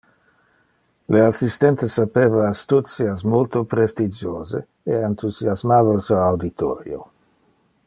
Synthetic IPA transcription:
leasist̪ɛnt̪esapeːvaːst̪ut̪siasmolt̪opɾest̪id͡ʒoːze | eant̪uzjazmaːvalsoawd̪it̪ʰo̰ːɾjo̰

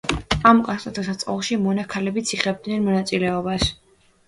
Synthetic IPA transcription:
amkʼaat̪ʰasat̪sʼqʼɔ̰lˠʃimɔnakʰalɛbit̪sʰiχɛb̚d̪nɛnmɔnat̪sʼilɛɔbas

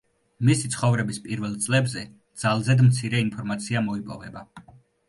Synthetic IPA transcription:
misit̪sʰχɔvɾɛbispʼiɾvɛlˠt̪sʼlɛbzɛ | d̪̥z̥alˠzɛd̪mt̪sʰiɾɛinpʰɔɾmat̪sʰiamɔipʼɔ̰vɛba

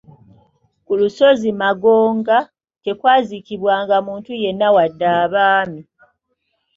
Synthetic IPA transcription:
kuluso̞zimaɡoːŋɡa | te̞kwaːzikiβwaːŋɡamuːntuje̞nːawadːaːβaːmi

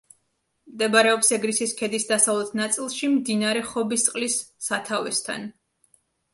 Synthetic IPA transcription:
md̪ɛbaɾɛɔpsɛɡɾisiskʰɛd̪isd̪asavlˠɛt̪ʰnat̪sʼilˠʃimd̪inaɾɛχɔbist̪sʼqʼlisːat̪ʰavɛst̪ʰa̰n

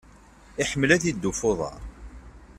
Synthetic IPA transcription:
ɪħəmːəlæθid̪ːufoðˤɑ̰ɾˤ

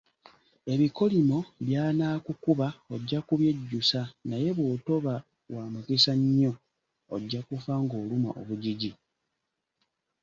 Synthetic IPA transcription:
e̞βiko̞limo̞βjaːnaːkukuβaoɟːakuβje̞ɟːusanaje̞βwoːto̞βa | waːmukisaɲːo̞ː | ɟːakufaŋɡo̞ːluma̰ʔo̰βuɟiɟi

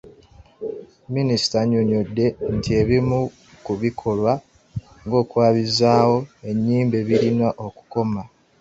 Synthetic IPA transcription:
minisi̥taɲo̞ɲo̞dːe̞ntʰie̞βimu | kuβikʰo̞lwa | ŋɡo̞ːkwaːβizaːwo̞e̞ɲːiːmbe̞βiɾinaʔo̞ku̥ko̞ma

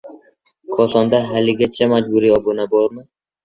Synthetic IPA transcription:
kʰɒsɒnd̪aɦalɪɡʲat͡ʃʰamad͡ʒbʊɾiɒbʊnabɒɾmɪ

